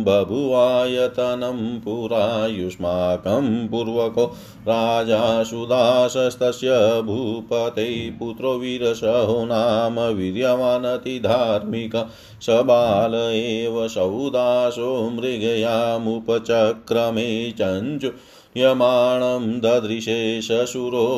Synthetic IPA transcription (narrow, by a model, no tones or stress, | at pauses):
bʱɐbʱuʋaːjɐt̪ɐnɐmpuɾajuʃmaːkɐmpuɾʋɐkoː | ɾaːd͡ʒaːsud̪aːʃɐst̪ɐsjɐbʱupɐt̪ejput̪ɾoːʋiɾɐʃɐɦonaːmɐʋiɾjɐʋaːnɐt̪id̪ʱaːɾmikɐ | sɐbaːlɐeːʋɐsɐwd̪aːʃoːmɾiɡɐjaːmupɐt͡ʃɐkɾɐmeːt͡ʃɐɲt͡ʃu | jɐmaːɳɐmd̪ʱɐd̪ɾiʃeːʃɐsuɾoː